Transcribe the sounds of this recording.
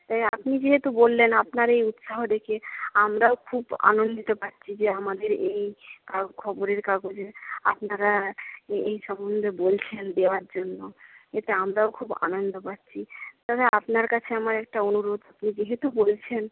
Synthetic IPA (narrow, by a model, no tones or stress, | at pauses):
t̪ajapnid͡ʑeɦet̪ubolːenapnaɾejut̪ʃaɦod̪ekʰeamɾaokʰuba̰nond̪it̪opaɾt͡ɕʰid͡ʑeamad̪eɾeejkaɡkʰɔboɾeɾkaɡod͡ʑea̰pnaɾa | ejʃɔmond̪ʱebolt͡ɕʰend̪eoaɾd͡ʑonːoet̪eamɾaokʰuba̰nond̪opaɾɕʰit̪aɾaapnaɾkat͡ɕʰeamaɾɛk̚ʈaonuɾod̪apnid͡ʑeɦet̪ubolt͡ɕʰen